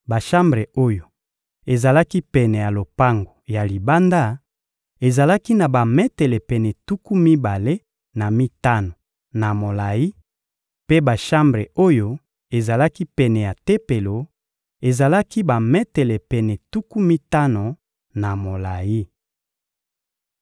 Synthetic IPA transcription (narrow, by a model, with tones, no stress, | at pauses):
ba˨ʃa˦mbʁe˨o˦jo˨ | e˨za˨la˦ki˦pɛ˨nɛ˨ja˨lo˨pa˦ŋɡo˨ja˨li˨ba˦nda˦ | e˨za˨la˦ki˦na˨ba˨mɛ˦tɛ˨lɛ˨pɛ˨nɛ˨tu˦ku˦mi˦ba˨le˦ | na˨mi˦ta˦no˨ | na˨mo˨la˨ji˦ | pe˦ba˨ʃa˦mbʁe˨o˦jo˦ | e˨za˨la˦ki˦pɛ˨nɛ˨ja˨te˦pe˨lo˨ | e˨za˨la˦ki˦ba˨mɛ˦tɛ˨lɛ˨pɛ˨nɛ˨tu˦ku˦mi˦ta˦no˨ | na˨mo˨la˨ji˦